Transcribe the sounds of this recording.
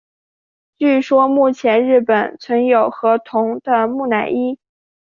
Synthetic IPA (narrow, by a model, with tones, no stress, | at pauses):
t͡ɕy˥˩ʂwɔ˥mu˥˩t͡ɕʰjɛ˧˥nɻɻ̩˥˩pə˨˩nt͡sʰwə˧˥njo˨˩ʊxɤ˧˥t̪ʰʊ˧˥ŋd̪ə˧mu˥˩na˧˨˩ɪi˥